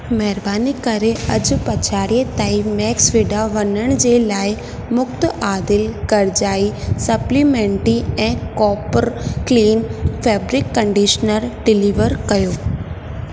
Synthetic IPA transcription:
mɛɦɪɾbaːnikɐɾeɐd͡ʑpɐt͡ɕʰaːɽiet̪aːimɛːksʋɪɖaʋɐnəɽ̃d͡ʑeːlaːɪ | mʊkt̪ʔaːd̪ɪlɡɐɾd͡ʑaːisɐplimẽːɳʈiɛ̃ːkɔːpəɾkliːnfɛːbɾɪkːɐ̃ɳɖiːʃnəɾɖɪliːʋəɾkɐjoː

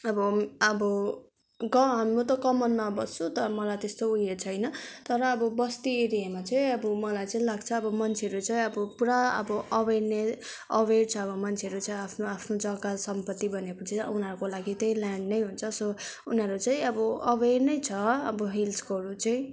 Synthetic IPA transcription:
ʌbʌʌbʌ | ɡʌɦamrut̪ʌkʌmʌnːʌbʌst͡sʰut̪ʌɾʌmʌlajt̪est̪oujet͡sʰʌjnʌt̪ʌɾʌːbʌbʌst̪ieɾijamat͡sʌĩʌbʌmʌlajt͡sʌĩlaɡt͡sʰʌːbʌmʌnt͡sʰeʌɾut͡sʌĩʌbʌpuɾaʌ̰bʌʔʌberne | ʌwert͡sʰʌːbʌmʌnt͡sʰeʌɾut͡sʰʌiapʰnoapʰnod͡zʌɡasʌmpʌt̪ːibʌnekut͡sʰiunʌɾukolaɡit̪ʌj̃laɳɖnʌjɦunt͡sʰʌsounɦʌɾut͡sʌ̃ĩʌbʌʌbernʌjt͡sʰʌʌbʌɦilskoɾut͡sʌĩ

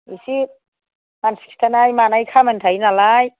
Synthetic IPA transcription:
isi | mansi̥kstʰanajmanajkʰamantʰajnalaj

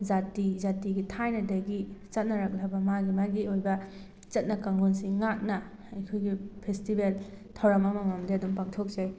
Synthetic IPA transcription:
zatizatiɡitʰajnɐdeɡit͡ʃɐt̚nɐɾɐk̚lɐbɐmaɡimaɡiojbɐ | t͡ʃɐt̚nɐkɐŋɡonsiŋak̚nɐ | ɐjkʰojɡipʰestibel | tʰɐwɾɐmɐmɐmamdeɐdumpaŋtʰok̚zaj

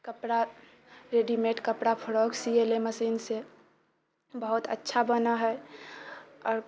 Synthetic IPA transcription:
kəpɾa | ɾeɖimeʈkəpɽapʰəɾɔːksieleməsinse | bəɦʊt̪ʰə̰tːʃʰabənaɦɛ | ɔːɾ

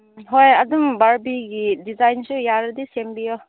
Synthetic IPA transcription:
ɦojɐdumbaɹbiɡidizajnsujaɾdisembijɔ

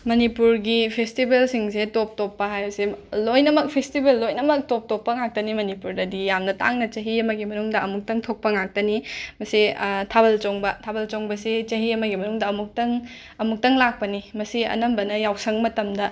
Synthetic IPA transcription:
mɐnipuɾɡipʰestibelsiŋsetop̚topːɐɦajbɐselojnɐmɐk̚pʰestibelːojnɐmɐk̚top̚topːɐŋak̚tɐnimɐnipuɾdɐdijamnɐta̰ŋnɐt͡ʃɐɦiɐmɐɡimɐnuŋdɐɐmuk̚tɐŋtʰok̚pɐŋak̚tɐnimɐsitʰabɐlt͡ʃoŋbɐtʰabɐlt͡ʃoŋbɐset͡ʃɐɦiɐmɐɡimɐnuŋdɐɐmuk̚tɐŋ | ɐmuk̚tɐŋlak̚pɐnimɐsiɐ̰nɐmbɐnɐjawsɐŋmɐtɐmdɐ

